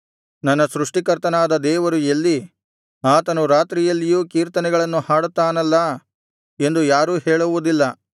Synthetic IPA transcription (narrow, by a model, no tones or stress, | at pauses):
nɐnːɐsɾuʂʈikɐɾt̪ɐnaːd̪ɐd̪ɛːʋɐɾuelːi | aːt̪ɐnuɾaːt̪ɾijɐlːijuːkiːɾt̪ɐnɛɡɐɭɐnːuhaːɽut̪ːaːnɐlːɐ | e̞nd̪ujaːɾuːhɛːɭuʋud̪ilːɐ